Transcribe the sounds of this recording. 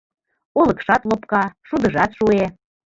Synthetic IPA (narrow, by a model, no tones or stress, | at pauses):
olɤ̆kʃɑt̪lopkɑʃud̪ɤ̆ʒɑt̪ʃue